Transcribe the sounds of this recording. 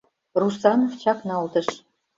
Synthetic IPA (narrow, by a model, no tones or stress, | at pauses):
rusɑnoft͡ɕɑknɑlt̪ə̆ʃ